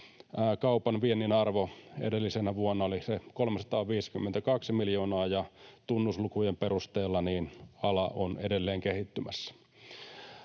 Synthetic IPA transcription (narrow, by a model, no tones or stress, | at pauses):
kɑupɑnʋienːinɑrʋoḛdelːisenæʋuonːɑolisekolmesɑ̥t̪ɑːʋiːsi̥kymːent̪ækɑksimiljoːnɑːjɑt̪unːuslukujemperust̪eːlːɑniːnɑlɑʔonedelːeːŋkehit̪ːymæsːæ̥